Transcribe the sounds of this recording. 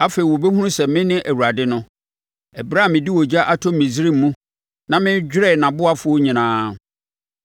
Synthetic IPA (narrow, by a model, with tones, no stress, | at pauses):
a˦fe˨i˨wɔ˨be˦hũ˦ũ˦sɛ˨mɪ̃˦nɪ̃˦ʔæ˨wu˨ɾa˨dɪ˦nʊ̃˦ | ɛ˨bɾa˦˨mɪ̃˨di˦wɔ˨d͡ʑa˦ʔa˨tʰɔ̃˦m˦mĩ˨sɾiː˦˨˦ũ˦ | nã˨mɪ̃˦d͡ʑᶣɾɛ˦˨nã˨bʊ˦a˦fʊ˦ɔ˦ɲĩ˨nãː˨˦